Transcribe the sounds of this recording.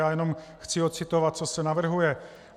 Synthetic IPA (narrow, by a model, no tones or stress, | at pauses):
aːjɛno̞mxt͡sɪot̪̚t͡sɪt̪o̞vat̪̚t͡so̞sɛnavr̩ɦujɛ